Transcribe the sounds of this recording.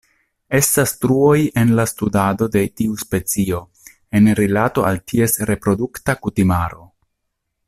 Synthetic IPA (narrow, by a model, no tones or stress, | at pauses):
e̞stastɾuo̞je̞nlastudado̞de̞tiuspe̞t͡sio̞ | e̞nɾilato̞ʔaltʰie̞sɾe̞pɾo̞duktakutimaɾo̞